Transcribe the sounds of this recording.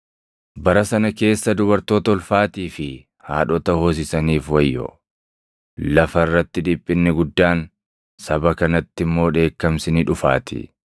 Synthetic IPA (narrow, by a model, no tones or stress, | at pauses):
bɐɾɐsɐnɐke̞ːsːɐd̪ʊbɐɾt̪o̞ːt̪ɐɔlfaːt̪iːfɪ | haːᶑɔt̪ɐhoːs̬ɪsɐniːfwɐjːɔ̰ | lɐfɐɪrːɐt̪ːɪd̪ɪpʼːɪnːɪɡʊd̪ːaːn | sɐbɐkɐnɐt̪ːɪmːo̞ːᶑe̞ːkːɐmsɪnɪᶑʊfa̰ːt̪ɪ̰